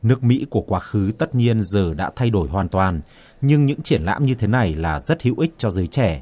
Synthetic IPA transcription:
nɨ˦˥ək̚mḭ˧˥ku˧˩əkwaː˧xɨ˨˦t̪ə˦˥t̚ɲi˧ənzəː˨˩ɗa̰ː˧˥t̪ʰa˧jɗo˧˩jɦwaː˨˩nt̪waː˨˩n | ɲɨ˧ŋɲɨ̰˧˥ŋt͡ɕi˧˩ənla̰ː˧˥mɲɨ˧t̪ʰe˨˦na˨˩jlaː˨˩zə˦˥t̚hḭ˧˥wʔi˦˥k̟̚t͡ɕɔ˧zəː˨˦jt͡ɕɛ˧˩

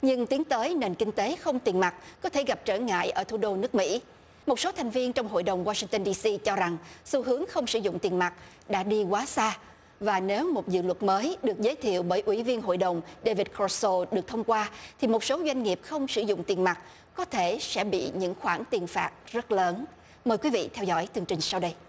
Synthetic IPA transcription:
ɲɨ˧ŋt̪i˨˦əŋt̪əː˨˦jne˨˩nkï˧ŋ̟t̪e˨˦xə˧wŋ͡mt̪i˨˩ənma˨˩t̚kɔ˨˦t̪ʰe˧˩ɣa˨˩p̚t͡ɕəː˧˩ŋa̰ː˧˨jʔəː˧˩t̪ʰu˧˩˦ɗo˧nɨ˦˥ək̚mḭ˧˥ | mo˨˩t̚so˨˦t̪ʰa˨˩ŋ̟vi˧ənt͡ɕɔ˧wŋ͡mɦo̰˧˨jɗə˨˩wŋ͡mwaː˧si˧ŋt̪ə˧nɗi˧si˧t͡ɕɔ˧za˨˩ŋsu˧ɦɨ˨˦əŋxə˧wŋ͡msɨ̰˧˩zʊ̰˧˨ŋ͡mt̪i˨˩ənma˨˩t̚ | ɗa̰ː˧˥ɗi˧kwaː˨˦saː˧ | vaː˨˩ne˨˦wmo˨˩t̚zɨ̰˧˨lwə˨˩t̚məː˨˦jɗɨ˨˩ək̚zəː˨˦jt̪ʰḭ˧˨əwɓəː˧˩jʔwi˧˩vi˧ənɦo̰˧˨jɗə˨˩wŋ͡mɗe˧vi˨˩t̚kʰɔ˧so˧ɗɨ˨˩ək̚t̪ʰə˧wŋ͡mkwaː˧t̪ʰi˨˩mo˨˩t̚so˨˦zwa˧jŋ̟ŋi˨˩əp̚xə˧wŋ͡msɨ̰˧˩zʊ̰˧˨ŋ͡mt̪i˨˩nma˨˩t̚ | kɔ˨˦t̪ʰe˧˩sɛ̰˧˥ɓḭ˧˨ɲɨ̰˧˥ŋxwaː˧˩nt̪i˨˩ənfaː˨˩t̚zə˦˥t̚ləː˨˦n | məː˨˩jkwi˨˦vḭ˧˨t̪ʰɛ˧wzɔ̰˧˥jt̪ɨ˨˩əŋt͡ɕï˨˩ŋ̟sa˧wɗə˧j

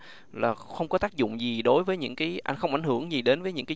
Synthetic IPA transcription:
laː˨˩xə˧wŋ͡mkɔ˨˦t̪aː˦˥k̚zʊ̰˧˨ŋ͡mzi˨˩ɗo˨˦jvəː˨˦jɲɨ̰˧˥ŋkaː˨˦jʔa˧jŋ̟xə˧wŋ͡mʔŋhɨ˧˩əŋzi˨˩ɗe˨˦nvəː˨˦jɲɨ̰˧˥ŋkaː˨˦

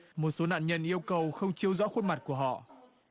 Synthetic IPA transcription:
mo˨˩t̚so˨˦na̰ː˧˨nɲə˧nʔi˧əwkə˨˩wxə˧wŋ͡mt͡ɕi˧əwzɔ̰˧˥xwə˧nma˨˩t̚ku˧˩əɦɔ̰˧˨

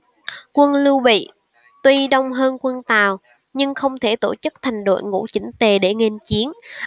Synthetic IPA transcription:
kwə˧nlu˧wɓḭ˧˨ | t̪wi˧ɗə˧wŋ͡mɦəː˧nkwə˧nt̪aː˨˩w | ɲɨ˧ŋxə˧wŋ͡mt̪ʰe˧˩t̪o˧˩t͡ɕɨ˦˥k̚t̪ʰa˨˩jŋ̟ɗo̰˧˨jŋṵ˧˥t͡ɕï˨˦ŋ̟t̪e˨˩ɗe˧˩ŋe˧nt͡ɕi˨˦ən

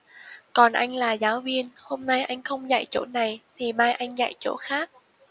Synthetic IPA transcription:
kɔ˨˩nʔa̰˧jŋ̟laː˨˩zaː˨˦wvi˧ənho˧mna˧jʔa˧jŋ̟xə˧wŋ͡mza̰˧˨jt͡ɕo̰˧˥na˨˩jt̪ʰi˨˩maː˧jʔa˧jŋ̟za̰˧˨jt͡ɕo̰˧˥xaː˦˥k̚

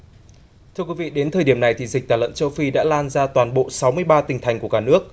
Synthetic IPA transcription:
t̪ʰɨ˧əkwvḭ˧˨ɗe˨˦nt̪ʰəː˨˩jɗi˧˩əmna˨˩jt̪ʰi˨˩zi˨˩k̟̚t̪aː˧˩lə̰˧˨nt͡ɕə˧wfi˧ɗa̰ː˧˥laː˧nzaː˧t̪waː˨˩nɓo̰˧˨sa˨˦wmɨ˧əjɓaː˧t̪ï˨˩ŋ̟t̪ʰa˨˩jŋ̟ku˧˩əkaː˧˩nɨ˦˥ək̚

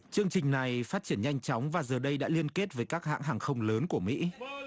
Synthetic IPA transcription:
t͡ɕɨ˧əŋt͡ɕï˨˩ŋ̟na˨˩jfaː˦˥t̚t͡ɕi˧˩ənɲa˧jŋ̟t͡ɕɔ˨˦wŋ͡mvaː˨˩zəː˨˩ɗə˧jɗa̰ː˧˥li˧ənke˦˥t̚vəː˨˦jkaː˦˥k̚ha̰ː˧˨ŋɦaː˨˩ŋxə˧wŋ͡mləː˨˦nku˧˩əmḭ˧˥

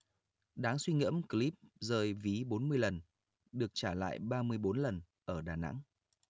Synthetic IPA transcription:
ɗaː˨˦ŋswi˧ŋḭ˧˥əmkli˦˥p̚zəː˨˩jvi˨˦ɓo˨˦nmɨ˧əjlə˨˩n | ɗɨ˨˩ək̚t͡ɕaː˧˩la̰ː˧˨jɓaː˧mɨ˧əjɓo˨˦nlə˨˩n | ʔəː˧˩ɗaː˨˩na̰˧˥ŋ

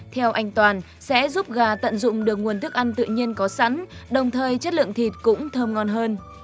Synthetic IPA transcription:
t̪ʰɛ˧wʔa˧jŋ̟t̪waː˨˩n | sɛ̰˧˥zu˦˥p̚ɣaː˨˩t̪ə̰˧˨nzʊ̰˧˨ŋ͡mɗɨ˨˩ək̚ŋu˨˩ənt̪ʰɨ˦˥ək̚ʔa˧jŋ̟t̪ɨ̰˧˨ɲi˧ənkɔ˨˦sa˧˥nɗə˨˩wŋ͡mt̪ʰəː˨˩jt͡ɕə˦˥t̚lɨ̰˧˨əŋt̪ʰi˨˩t̚kʊ̰˧˥ŋ͡mt̪ʰəː˧mŋɔ˧nɦəː˧n

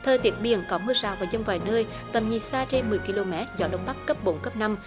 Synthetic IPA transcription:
t̪ʰəː˨˩t̪i˨˦ət̚ɓi˨˩ənkɔ˨˦mɨ˧zaː˨˩wvaː˨˩zə˧wŋ͡mvaː˨˩jnəː˧j | t̪ə˨˩mɲi˨˩saː˧t͡ɕe˧nmɨ˨˩əjki˧lo˧mɛ˦˥t̚zɔ̰˨˦ɗə̰˧˨wŋ͡mɓa˦˥kːə˦˥p̚ɓo̰˨˦nkə˦˥p̚na˧m

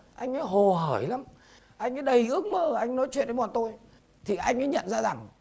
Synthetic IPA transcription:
ʔa˧jŋ̟ʔaː˨˦jɦo˨˩ɦəː˧˩jla˨˦m | ʔa˧jŋ̟ʔaː˨˦jɗə˧˩jʔɨ˦˥ək̚məː˧ʔa˧jŋ̟nɔ˨˦jt͡ɕwḭ˧˨ənɗə˨˦wa˨˩nt̪o˧j | t̪ʰi˨˩ʔa˧jŋ̟ʔaː˨˦jɲə̰˧˨nzaː˧za˨˩ŋ

